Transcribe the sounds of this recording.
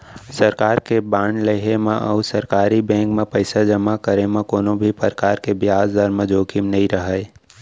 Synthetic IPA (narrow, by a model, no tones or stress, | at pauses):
sɐɾkaːɾkebaːɳleɦemẽʔɔːsɐɾkaːɾibɛ̃ːŋkmẽpəɪsad͡ʒəmːakəɾemãkoːnõbʱipəɾkaːɾkebjaːzd̪əɾmə̃d͡ʒoːkimnɐɦĩɾəɦəe